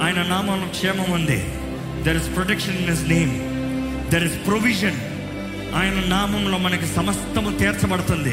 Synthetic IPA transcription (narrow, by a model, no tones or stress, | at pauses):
aːjɐnɐnaːmɐmlukʂɛːmɐmund̪ḭ | d̪eɾizpɾoʈekʂɐninɦisneːm | d̪eːɾizpɾoʋiʃɐn | aːjɐnɐnaːmɐmlo̞ːmɐnɐkisɐmɐst̪ɐmut̪iːɾt͡sɐbɐɽut̪und̪i